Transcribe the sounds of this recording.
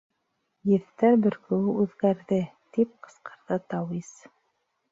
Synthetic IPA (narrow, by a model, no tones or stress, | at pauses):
jɘ̆θt̪æɾbɵ̆ɾkɵ̆wɘʉðɡæɾðɘt̪ip̚qɤ̥̆sqɤ̥̆ɾðɤt̪ɑwis